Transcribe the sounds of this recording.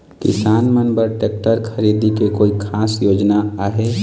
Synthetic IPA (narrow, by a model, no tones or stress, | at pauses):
kɪ̰saːnmənbəɾʈek̚ʈəɾkʰəɾid̪ikekoːikʰaːsjoːd͡ʒnaaːɦe